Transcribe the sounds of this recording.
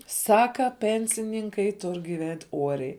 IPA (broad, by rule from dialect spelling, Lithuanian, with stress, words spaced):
ˈsɑːkɐ ˈpʲɛnʲsʲɪnʲɪŋkɐɪ ˈtʊrʲ ɡʲɪˈʋʲɛnʲtʲ ˈuɔrʲɛɪ